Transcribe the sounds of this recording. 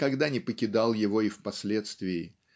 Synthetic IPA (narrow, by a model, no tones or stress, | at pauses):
kɐɡd̪anʲɪpəkʲɪd̪alˠjɪvo̞ɪfpɐsʲlʲe̞t̪st̪vʲɪɪ